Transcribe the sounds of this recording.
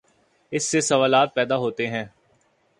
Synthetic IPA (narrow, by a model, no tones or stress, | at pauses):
ɪsːesɐʋaːlaːt̪̚pɛːd̪aɦoːt̪eɦɛ̃ː